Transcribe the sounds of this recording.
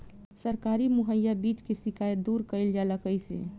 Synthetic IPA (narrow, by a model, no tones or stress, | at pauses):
səɾkaːɾimʊɦəjːabiːt͡ʃkesɪkaːjət̪d̪uːɾkəɪld͡ʒaləkəjsḛ